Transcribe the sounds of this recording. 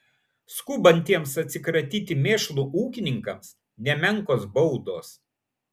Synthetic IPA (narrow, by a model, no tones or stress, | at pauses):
skuːbɐnʲt̪ʲiɛmsɐt̪ʲsʲɪkɾɐt̪ʲiːt̪ʲɪmʲeːʃlˠuːʔuːkʲɪnʲɪŋkɐms | nʲɛmʲɛŋˑkoːsbɔʊd̪oːs